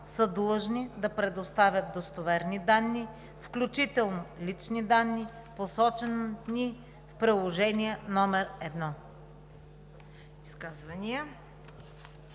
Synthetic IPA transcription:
səd̪lˠɤʒnid̪ɐpɾɛd̪ost̪avʲjɐt̪̚d̪ost̪ovɛɾnid̪anːi | fklʲut͡ʃit̪ɛlˠnolit͡ʃnid̪anːi | posɔt͡ʃɛnni | fpɾilˠoʒɛniɛnɔmɛɾɛd̪nɔ | iskazvɐniə

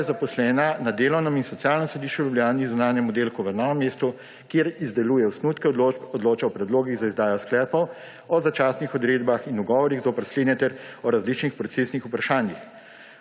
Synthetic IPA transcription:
zapɔslɛːnanad̪eːlɔwnɔminsɔt̪sijaːlnɔmsɔd̪iʃt͡ʃjuljublʲjaːnizunaːnjɛmɔd̪eːlkuʋənaʋɛmːeːst̪u | kjeɾizd̪ɛluːjɛwsnuːt̪kɛɔd̪loːt͡ʃɛɔpɾɛd̪loːɡiɣzaizd̪aːjɔsklɛːpɔw | ɔzat͡ʃaːsnixɔd̪ɾeːd̪baxinuɡɔʋɔɾiɣzopɛɾsleːd̪nɛt̪ɛɾɔɾazlit͡ʃnixpɾɔt̪seːsnixupɾaʃaːnjix

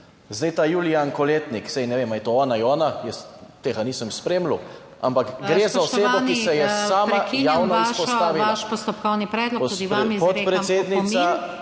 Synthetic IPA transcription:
zd̪ɛjt̪ajuːliankɔleːt̪niksɛjnɛʋemait̪oɔːnaiɔːnajəst̪eːɡaniːsəmspɾemlṵ | a̰mpakɡɾeːzaɔseːbɔkisɛjɛsaːmajaːwnɔisʃɔst̪aːʋilaʃpɔst̪ɔpkɔwnipɾɛːd̪lɔkpud̪ipɔt̪pɾɛseːd̪nisa

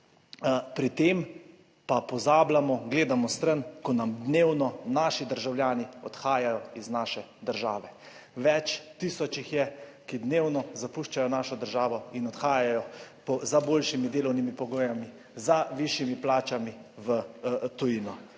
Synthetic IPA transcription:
pɾit̪eːm | papɔzaːblamɔɡleːd̪amɔst̪ɾənkɔnamd̪neːwnɔnaːʃid̪əɾʒawljaːniɔt̪xaːjajɔiznaːʃɛ | d̪əɾʒaːʋɛ | ʋɛt͡ʃt̪iːsɔt͡ʃixjɛkid̪neːwnɔzapuʃt͡ʃajɔnaːʃɔd̪əɾʒaːʋɔinɔt̪xaːjajɔpɔzaboːlʃimid̪eːlɔwnimipɔɡoːjami | zaʋiʃimiplaːt͡ʃamiʋət̪ujiːnɔ

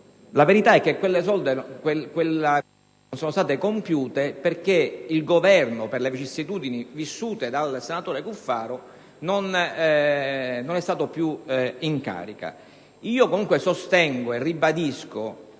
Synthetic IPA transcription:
laveɾit̪aɛk̟ːekːwelːes̬ɔld̪ekwekwela | nsoːnost̪aːt̪ekompjuːt̪eperkeilɡovɛrnoperlevit͡ʃisːit̪uːd̪inivisːuːt̪ed̪alsenat̪oːɾekufːaːɾo | non | nonɛst̪aːt̪opjuiŋka̰ːɾika̰ | iːokomuŋkwesost̪ɛŋɡoerːibad̪isko

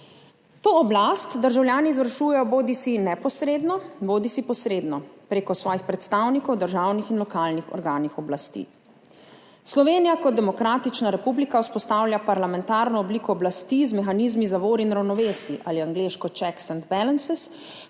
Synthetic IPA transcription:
t̪oːɔblast̪d̪əɾʒawljaːniːzʋəɾʃuːjɛjɔboːd̪isinɛpɔsɾeːd̪nɔboːd̪isipɔsɾeːd̪nɔpɾeːkɔsʋɔːjixpɾɛt̪st̪awnikɔwd̪əɾʒawnixinlɔkaːlnixɔ̰ɾɡaːnixɔblast̪ḭː | slɔʋeːnijakɔt̪̚d̪ɛmɔkɾaːt̪it͡ʃnaɾɛpublikawspɔst̪awljapaɾlamɛnt̪aːɾnɔɔbliːkɔːblast̪izmɛxaniːzmizaʋoːɾinɾawnɔʋeːsiʔaːliaŋɡleːʃkɔt͡ʃɛksɛnd̪bɛlɛnsɛs

